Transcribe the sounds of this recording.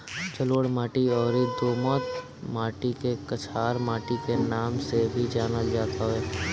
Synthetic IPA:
t͡ʃəloːɽmaːʈiɔːɾid̪oːmɔːt̪ | maːʈikekɐt͡ʃʰaːɾmaːʈikenaːmsebʱid͡ʒaːnəld͡ʒaːt̪ʰaɦɛː

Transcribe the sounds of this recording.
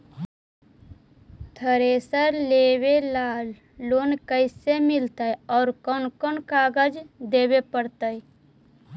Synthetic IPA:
t̪ʰəɾesəɾleːwelalː | oːnkəɪsemɪlt̪əjɔːɾkɔnkɔnkaːɡəd͡ʒd̪eːwepəɽt̪əj

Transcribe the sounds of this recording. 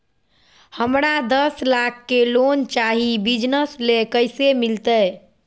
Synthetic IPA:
həmɾad̪əslakʰːelont͡ʃaɦibid͡ʒnəslekəjsemilt̪əj

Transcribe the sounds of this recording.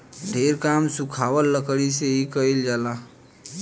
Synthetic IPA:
ɖʱeɾkamsũkʰawəlːəkɽiseikəild͡ʒala

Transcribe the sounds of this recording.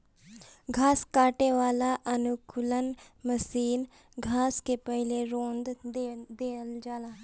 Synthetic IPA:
ɡʱaːskaːʈeʋaːlaʔənʊkʰʊlənməsiːn | ɡʱaːskepəɦɪleɾõːnd̪d̪eːəld͡ʒaːlaː

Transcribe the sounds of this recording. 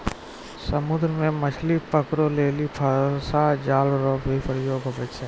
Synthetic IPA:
səmʊd̪ɾəmẽmət͡ʃʰlipəkɾoleːlipʰəsad͡ʒaːlɾobʱipʰəɾjoːɡɦobət͡ʃʰeː

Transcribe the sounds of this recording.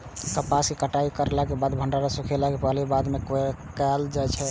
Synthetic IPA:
kəpasikəʈaikəɾelakebad̪bʱəɳɖaɾasukʰelakepəlibad̪mekkald͡ʒajt͡ʃʰɛ

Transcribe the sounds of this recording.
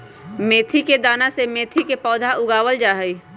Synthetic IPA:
meːt̪ʰiked̪aːnasemeːt̪ʰikepɔːd̪ʱaʔʊɡaːwəld͡ʒaːɦəi

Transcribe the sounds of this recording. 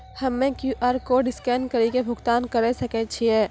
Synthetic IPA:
hɐmːẽkjuːʔaːɾkoɖɪskɛːnkɐɾikebʱʊɡt̪aːnkɐɾesɐket͡ʃʰiɦɛː

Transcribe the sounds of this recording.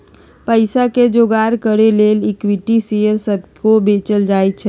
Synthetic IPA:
pəɪsaked͡ʒoɡaɾkəɾeleːlikwiʈisejəɾsəb̚ʱkobet͡ʃəld͡ʒaːet̪t͡ʃʰɛ

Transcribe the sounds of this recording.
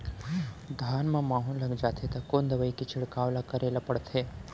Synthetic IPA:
d̪ʱaːnmɐ̃maːɦũlɐɡd͡ʒaːt̪ʰet̪ɐkoːnd̪ɐʋəikit͡ʃʰɪɽkaːʋlakɐɾeːlapɐɽt̪ʰeː

